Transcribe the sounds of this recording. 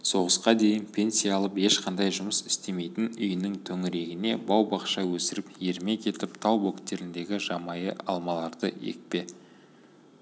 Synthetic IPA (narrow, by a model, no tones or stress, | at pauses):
so̞ʁəsqɑd̪e̞jɪnpʰe̞nsijaɑlˠəpe̞ʃqʰɑnd̪ɑjʒʊməsɪst̪e̞me̞jt̪ɪnʏjɪnɪŋt̪ʰɵŋɪɾe̞ɡʲɪne̞bɑwbɑqʃɑwɵsɪɾɪpje̞ɾme̞kʲʰe̞t̪ɪp̚t̪ʰɑwbo̞kt̪ːe̞ɾɪnd̪e̞ɡʲɪʒɑmɑjə̰ʔɑ̰lˠmɑlˠɑɾd̪əḛk̚pe̞